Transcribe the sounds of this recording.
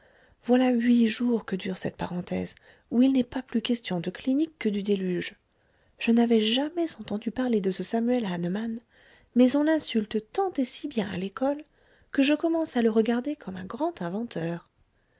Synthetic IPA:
vwalaɥiʒuʁkəd̪yʁsɛt̪̚paʁɑ̃t̪ɛ̰z | uilnɛpaplykʲɛst̪jɔ̃d̪əklinikːəd̪yd̪elyʒ | ʒ̥ənavɛʒamɛzɑ̃t̪ɑ̃d̪ypaʁled̪əsəsamyɛlanman | mɛzɔ̃lɛ̃sylt̪t̪ɑ̃t̪esibjɛ̃a̰lekɔl | kəʒəkɔmɑ̃saləʁəɡaʁd̪ekʰɔmɛ̃ɡʁɑ̃t̪ɛ̃vɑ̃t̪ʰœːʁ

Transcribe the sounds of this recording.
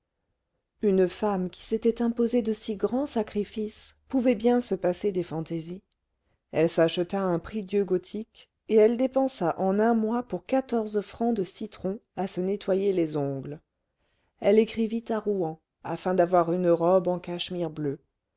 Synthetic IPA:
ynfamkʲʰi̥set̪ɛt̪ɛ̃pozed̪əsiɡʁɑ̃sakχifispuvɛbjɛ̃səpased̪efɑ̃t̪ezi | ɛlsaʃət̪aɛ̃pχid̪jøɡɔt̪ʰik | eɛld̪epɑ̃saʔɑ̃nɛ̃mwapuʁkat̪ɔʁzfχɑ̃d̪əsit̪χɔ̃asənet̪wajelezɔ̃ɡl | ɛlekχivit̪aʁuɑ̃ | afɛ̃d̪avwaʁynəʁɔbɑ̃kaʃmiʁblø

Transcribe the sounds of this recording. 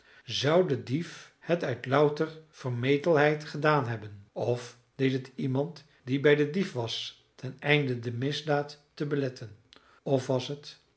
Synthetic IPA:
zɑwdədif | hətœɥtlʌwtərv̥əɹmejtəlˠɦɛjtχədaːnɦɛbənɔf | d̥ejtɦətimɑnt | dibɛjdədifʋɑs | tɛnɛjndədəmɪzdaːtː | əbəlɛtʰən | ɔfʋɑsɦət

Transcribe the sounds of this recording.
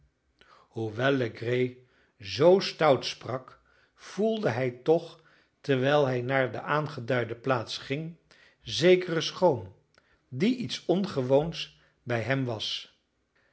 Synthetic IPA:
ɦuʋɛlˠːəɡrej | zowstʌwtsprɑk | v̥ulˠdəɦɛjtɔχ | tɛɹʋɛjlˠɦɛjnaːɹdəʔaːnχədœɥdəplaːtsχɪŋ | zejkərəsχowm | diʔitsɔnχəʋowns | bɛjɦɛmʋɑs

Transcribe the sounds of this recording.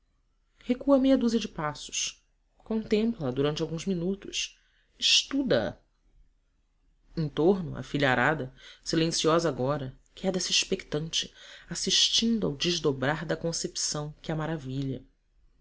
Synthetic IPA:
hekuɐmejɐd̪uzɐd͡ʒɪpasʊ̥ʃ | kõnt̪ẽmplɐd̪uɾɐ̃t͡ʃɪawɡũzminut̪ʊʃ | iʃt̪ud̪ɐɐ̰ | ẽt̪oɾnʊɐ̰fiʎɐaɾad̪ɐsilẽsiɔzɐaɡɔɾɐ | kɛd̪ɛsɐiʃpekt̪ɐ̃nt͡ʃɪ̥asiʃt͡ʃĩnd̪ʊawd͡ʒeʒd̪obɾaɾd̪ɐkõsepi̥sɐ̃w̃kɪɐmaɾaviʎɐ

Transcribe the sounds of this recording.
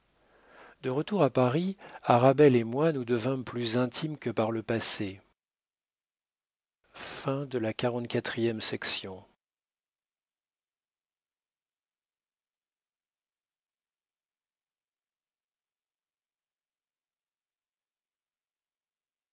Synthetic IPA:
d̪əʁət̪uʁapaʁiaʁabɛlemwanud̪əvɛ̃plyzɛ̃t̪ʰimkəpaʁləpase | fɛ̃d̪əlakaʁɑ̃t̪̚kʲat̪χijɛmsɛksjɔ̃

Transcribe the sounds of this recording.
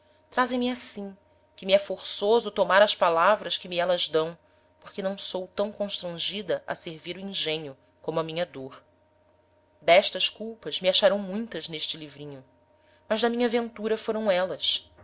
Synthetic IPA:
t̪ɾazẽj̃mɪasĩ | kɪmɪɛfoɾsozʊt̪omaɾɐspalavɾɐskɪmiɛlɐzd̪ɐ̃w̃ | poχkɪnɐ̃w̃sowt̪ɐ̃w̃kõʃt̪ɾɐ̃ʒid̪ɐʔɐ̰seɾviɾʊĩʒẽɲjʊ | kõmʊɐmĩɲɐd̪oɾ | d̪ɛʃt̪ɐʃkuwpɐzmiaʃaɾɐ̃w̃mũj̃t̪ɐzneʃt͡ʃɪlivɾĩɲʊ | mɐzd̪ɐmĩɲɐvẽnt̪uɾɐfoɾɐ̃w̃ɛlɐs

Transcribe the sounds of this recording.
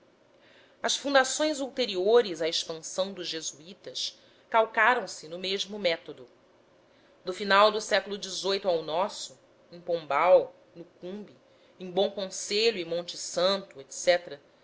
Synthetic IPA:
ɐʃfũnd̪asõj̃zuwt̪eɾioɾɪzaeʃpɐ̃sɐ̃w̃d̪ʊʒʒezuit̪ɐʃ | kawkaɾɐ̃w̃sɪnʊmeʒmʊmɛt̪od̪ʊ | d̪ʊfinawd̪ʊsɛkʊlˠʊd͡ʒɪzojt̪ʊawnɔsʊ | ẽj̃põmbaw | nʊkũbi | ẽj̃bõw̃kõseʎʊɪmõnt͡ʃɪsɐ̃nt̪ʊet̪sɛt̪eɾɐ

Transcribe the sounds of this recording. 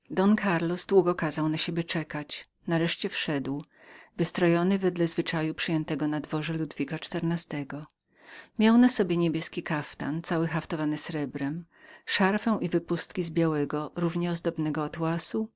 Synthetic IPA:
d̪ɔnkʰaɾlɔzd̪wuɡɔkazawnaɕebʲjɛt͡ʂɛkat͡ɕ | naɾɛʂt͡ɕɛfʂɛd̪w | vɘst̪ɾɔjɔnɘvɛd̪lɛzvɘt͡ʂajupʂɘjɛnt̪ɛɡɔnad̪vɔʐɛlud̪vʲikat͡ʂt̪ɛɾnast̪ɛɡɔ | mʲjawnasɔbʲjɛɲebʲjɛskʲikaft̪a̰nt̪sawɘxaft̪ɔvanɘsɾɛbɾɛm | ʂaɾfɛw̃ʔivɘpust̪kʲizbʲjawɛɡɔɾuvɲɛɔzd̪ɔbnɛɡɔːt̪wasu

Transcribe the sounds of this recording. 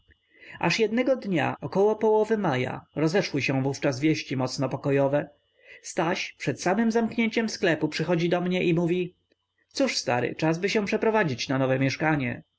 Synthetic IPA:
ʔa̰ʂjɛd̪nɛɡɔd̪ɲa̰ɔkɔwɔpɔwɔvɘmaja̰ɾɔzɛʂwɘɕɛ̃vuft͡ʂazvʲjɛɕt͡ɕimɔt̪snɔpɔkɔjɔvɛ | st̪aɕpʂɛt̪samɘmzamkɲeɲt͡ɕɛmsklɛpupʂɘxɔd͡ʑid̪ɔmɲɛʔimuvʲi | t̪suʂst̪a̰ɾɘ̰t͡ʂazbɘɕɛ̃w̃pʂɛpɾɔvad͡ʑit͡ɕnanɔvɛmʲjɛʂkaɲɛ̰

